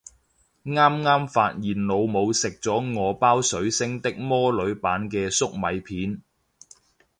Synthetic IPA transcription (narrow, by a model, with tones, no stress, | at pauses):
ŋaː˥mŋaː˥mfaː˧t̚jiː˨nlo˨˧wmo˨˧wsɪ˨k̚t͡sɔː˨˥ŋɔː˨˧paː˥wsɵ˨˥ɥsɪ˥ŋt̪ɪ˥k̚mɔː˥lɵ˨˧˥ɥpaː˨˥nkɛː˧sʊ˥k̚mɐ˨˧jpʰiː˨˥n